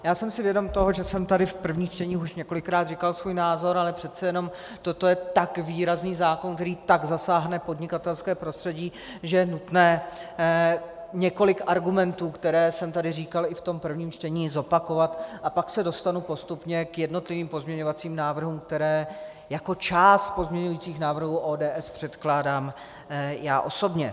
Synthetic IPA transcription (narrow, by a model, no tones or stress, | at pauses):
jaːsɛmsɪvjɛdo̞mt̪o̞ɦo̞ʒɛsɛmt̪adɪfpr̩vɲiːt͡ʃt̪ɛɲiːxuʃɲɛko̞lɪkɾaːd̪rɪkalsvuːjnaːzo̞ɾalɛpr̥ɛt̪t͡sɛjɛno̞m | t̪o̞t̪o̞jɛt̪akviːɾazniːzaːkonk̚t̪ɛɾiːt̪aɡzasaːɦnɛpo̞dɲɪkat̪ɛlskɛːpɾo̞st̪r̥ɛɟiː | ʒɛjɛnut̪nɛː | ɲɛko̞lɪkʔaɾɡumɛnt̪uːkt̪ɛɾɛːsɛmt̪adɪriːkalɪft̪o̞mpr̩vɲiːmt͡ʃt̪ɛɲiːzo̞pako̞vat̪ʔapaksɛdo̞st̪anupo̞st̪upɲɛkjɛdno̞t̪lɪviːmpo̞zmɲɛɲo̞vat͡siːmnaːvr̩ɦuːmk̚t̪ɛɾɛː | jako̞t͡ʃaːst̪̚po̞zmɲɛɲujiːt͡siːxnaːvr̩ɦuːʔoːdɛːʔɛspr̝̥ɛt̪klaːdaːm | jaːʔo̞so̞bɲɛ